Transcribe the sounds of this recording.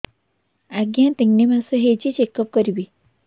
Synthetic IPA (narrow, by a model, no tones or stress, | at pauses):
aɡjãt̪eŋnimãsuɦet͡ɕit͡ɕekəp̚kəɾibi